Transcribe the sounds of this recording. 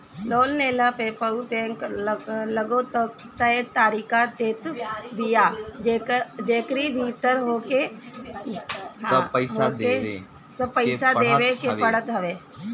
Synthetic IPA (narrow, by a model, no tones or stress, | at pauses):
loːlneːlapepɐut̪ẽkləɡot̪ə | t̪əet̪aːɾiːkat̪eːt̪bijaːd͡ʒed͡ʒeːkɾibʱiːt̪əɾɦoːke | sɦoe | sɐbpəɪsad̪eːʋekepɐɽət̪ɦɐʋeː